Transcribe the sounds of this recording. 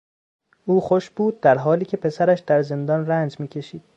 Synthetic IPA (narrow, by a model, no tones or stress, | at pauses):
ʔuːxoʃb̥uːd̪̚ːæɾɦɒːliːcʰe̞pʰe̞sæɾæʃd̪æɾze̞nd̪ɒːnrænd͡ʒmiːcʰe̞ʃiːd̪̥̚